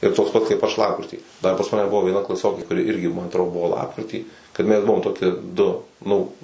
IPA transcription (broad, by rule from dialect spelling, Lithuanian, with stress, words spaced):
ɪr ˈtoːks pɐt kɐɪp ˈɐʃ ˈlˠɑːpkrʲɪtʲiː dɐr pɐs ˈmɑːnʲɛ ˈbʊʋoː ʋʲiɛˈnɐ klˠɐˈsʲoːkʲeː kʊˈrʲɪ ˈɪrʲɡʲɪ ˈmɐn ɐtˈroː ˈbʊʋoː ˈlˠɑːpkrʲɪtʲiː kɐt ˈmʲɛs ˈbʊʋoːm ˈtoːkʲiɛ ˈdʊ ˈnʊ